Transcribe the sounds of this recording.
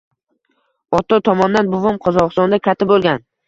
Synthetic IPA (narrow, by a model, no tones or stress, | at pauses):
ɒt̪ʰɒt̪ʰɒmɒnd̪anbʊvʊmqʰɒzɒqɨst̪ɒnd̪akʲʰat̪ʰːɪbolˠɡʲan